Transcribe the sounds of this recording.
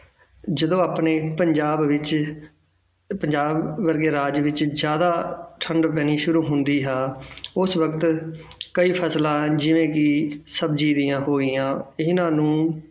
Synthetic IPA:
d͡ʒəd̪õːaːpneːpəɲd͡ʒaːbʋɪt͡ʃ | pəɲd͡ʒaːbːəɾɡeːɾaːd͡ʒʋɪt͡ʃzjaːd̪aːʈʰəɳɖp̬ɛːñiːʃʊɾuːɦʊnd̪iːɦaːʊsʋəkt̪kəiːpʰəslãːd͡ʒɪʋẽːkɪsəbd͡ʒiːd̪ijãːɦoːɡɪjãːɪɦnãːnũː

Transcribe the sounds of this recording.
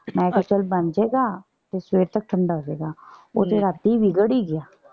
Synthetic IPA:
mɛ̃ːkat͡ʃəlbɐnd͡ʒeːɡaː | t̪esweːɾt̪ək̚ʈʰə̃ɳɖaɦod͡ʒeːɡaːo̰ːt̪eɾaːb̚t̪iiʋɪɡəɽiɡɪjaː

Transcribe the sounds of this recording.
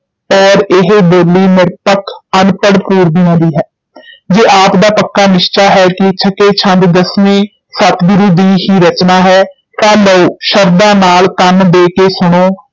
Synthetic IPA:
ɔːɾɪɦboːliːmɪɾpəkʰənpəɽpuːɾb̪ɪːãːd̪iːɦɛː | d͡ʒeːʔaːpd̪aːpəkːaːnɪʃt͡ʃaːɦɛːkɪt͡ʃʰəkeːt͡ʃʰə̃nd̪d̪əsmẽː | sət̪ɡʊɾuːd̪iːɦiːɾət͡ʃnaːɦɛː | t̪ãːləuʃəɾd̪ãːnaːlk̪ənd̪eːkeːsʊɳ̃oː

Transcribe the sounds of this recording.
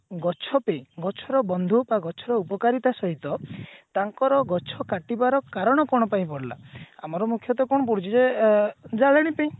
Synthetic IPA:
ɡɔt͡ʃʰɔpẽɡɔt͡ʃʰɔɾɔbɔnd̪ʱubaɡɔt͡ʃʰɔɾɔupɔkaɾit̪asɔɦit̪ɔt̪aŋkɔɾɔɡɔt͡ʃʰɔkaʈibaɾɔkaɾɔɽ̃ɔkɔɽ̃ɔpaĩpɔɽla̰a̰mɔɾɔmukʰjɔt̪ɔkɔ̃ɔp̬uɽut͡ʃʰid͡ʒe | d͡ʒaɭeɽ̃ipaĩ

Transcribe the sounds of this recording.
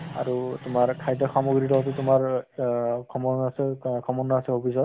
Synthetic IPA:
a̰ɹutʊmaɹkʰajdɔxamoɡɹilɔt̬utʊmaɹ | kʰɔmɔsɛkʰɔmɔnɔasɛɦopʰisɔt

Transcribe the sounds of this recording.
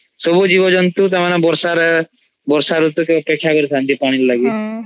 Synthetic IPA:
sɔbud͡ʒibɔd͡ʒɔnt̪ut̪̬amanabɔɾsaɾ | bɔɾsaɾut̪ukeɔpekʰːjakɔɾit̪ʰand͡ʒ̪ipaɽ̃illaɡi

